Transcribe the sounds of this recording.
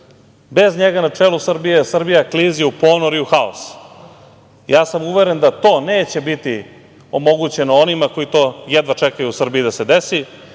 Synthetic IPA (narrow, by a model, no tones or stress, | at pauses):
be̞zɲeɡanat͡ʂeːlˠusr̩bije̞sr̩bijakliːziupo̞ːnoɾiuxao̰s | jaːsamuʋeɾe̞nd̪at̪o̞ːneːt͡ɕe̞bit̪i | o̞mo̞ɡut͡ɕe̞noonimako̞it̪o̞ːjed̪ʋat͡ʃekajuusr̩biid̪ase̞d̪esi